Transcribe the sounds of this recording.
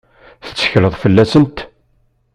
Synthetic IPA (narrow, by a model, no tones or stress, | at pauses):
θə̥t͡sːə̥çləðˤfəlːæsənt̪